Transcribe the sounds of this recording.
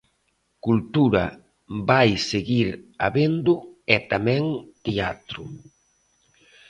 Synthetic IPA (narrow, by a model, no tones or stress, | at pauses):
kult̪uɾɐ | bajseɣiɾaβend̪ʊɛt̪amɛ̃ŋt̪eat̪ɾʊ